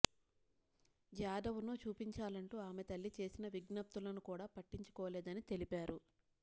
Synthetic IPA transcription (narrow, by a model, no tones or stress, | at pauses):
d͡ʒjaːd̪ɐʋunoːt͡ʃuːpiɲt͡ʃaːlɐɳʈuːaːmet̪ɐlːit͡ʃe̞ːsinɐʋiɡnɐp̚t̪ulɐnukuːɽaːpɐʈːiɲt͡ʃu̥kɔːɐlɛːd̪ɐnit̪e̞lipaːɾu